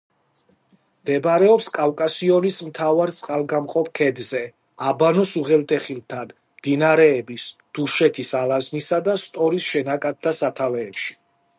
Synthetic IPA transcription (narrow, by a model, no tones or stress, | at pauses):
md̪ɛbɾɛɔpskʼawkʼasiɔnismt̪ʰavaɾt̪sʼqʼalˠɡamqʼɔp̚ʰkʰɛd̪zɛ | abanɔsuʁɛlt̪ʼɛχilˠt̪ʰan | md̪̥inaɾɛːbisd̪̥uʃɛt̪ʰisalaznisad̪ast̪ʼɔɾisʃɛnakʼat̪̚d̪asat̪ʰavɛːpʃi̥